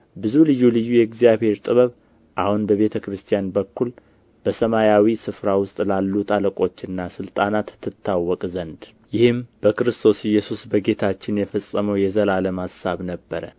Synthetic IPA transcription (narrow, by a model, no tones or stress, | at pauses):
bɨzulɨjːulɨjːujɛɡzijaβhe̞ɾt̪ʼɨβəβ | ʔahunbəβe̞t̪ʰəkɾɨst̪ʰijanbəkːul | b̥əsəmajawisɨfɾawʊst̪ʼlalːut̪ʰʼaləkʼo̞t͡ʃːɨnːasɨlt̪ʼanat̪ːɨt̪ʰːawːɔkʼzənd̪ | jɪhɨmb̥əkɨɾɨst̪ʰo̞sɪjːɛsusbəɡe̞t̪ʰat͡ʃːɪnjɛfəsʼːəməwjɛzəlaləmhasaβnəbːəɾə̰